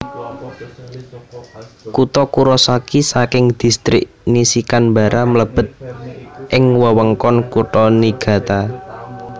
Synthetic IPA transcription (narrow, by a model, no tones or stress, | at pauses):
kut̪ɔkuɾɔsakisakɪŋd̪̥i̤st̪ɾɪ̰ʔ | nisikanmba̤ɾʔamələb̥ə̤t̪̚ʔɪŋwəwəŋkɔnkut̪ɔniɡ̥ä̤t̪a